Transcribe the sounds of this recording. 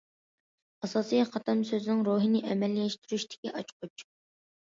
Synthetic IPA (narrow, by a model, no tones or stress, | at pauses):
ɑsɑːsijqɑt̪ʰɑmsøzɪnɪŋɾoɦɨnɪʔɛmɛlːijɛʃt̪ʰyɾyʃt̪ʰɪ̥kʲiʔɑt͡ʃqʰʊt͡ʃ